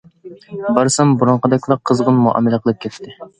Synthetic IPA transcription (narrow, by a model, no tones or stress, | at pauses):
bɑɾsɑmbuɾuɴqəd̪ɛkʲlˠɑqʰːəzʁənmuʔɑ̰mːɪləqʰəlˠɨp̚kʲʰɛt̪ʰːɪ